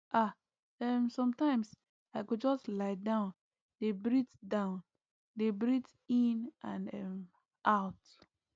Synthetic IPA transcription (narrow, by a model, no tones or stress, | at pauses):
ʔa | ɛmsɔ̃mtãɪ̃ms | aɪkud͡ʒɔstlaɪdãʊ̃n | debɹitdãʊ̃n | debɹit | ĩnʔãnɛm | ʔaʊt